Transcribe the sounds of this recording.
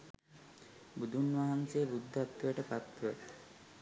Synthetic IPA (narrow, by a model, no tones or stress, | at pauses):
bud̪ʱunʋaɦansejːbud̪ʱːaat̪ʋəjəʈəpat̪ːə